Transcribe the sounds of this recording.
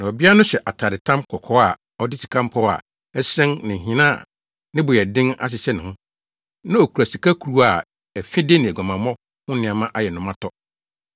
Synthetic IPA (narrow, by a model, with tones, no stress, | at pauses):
nã˨ɔ˨bi˦a˦nʊ̃˦ɕɛ˨ʔa˨tʰa˨ɾɪ˨tʰã˦mkʰɔ˨kʰɔ˦a˨ | ɔ˦dɪ˦si̥˨kʰã˦m˦pʰɔ˦a̰˨ | ɛ˦sɛ̃˦nnɪ̃˨ɦĩ˨nã˦˨ | nɪ̃˦bʊ˨jɛ˨dɪ̃˦ŋa̰˦ɕ̬ɪ˨ɕɛ˦nɪ̃˨hʊ̃˦ | nã˦o˨kʰu˨ɾa˨si˨kʰa˦kʰu˨ɾu˦a˨ | ɛ˨fɪ̃˦de˦nɪ̃˨ɛ˨ɡã˨mã˨mɔ̃˦ | hʊ̃˦nɪ̃˨a˨mã˦ʔa˦jɛ˨nʊ̃˨mã˦tʰɔ˦